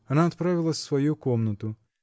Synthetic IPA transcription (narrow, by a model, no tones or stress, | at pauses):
ɐnaɔt̪̚pɾavʲilˠɐsʲsʋɔjukɔmnɔt̪u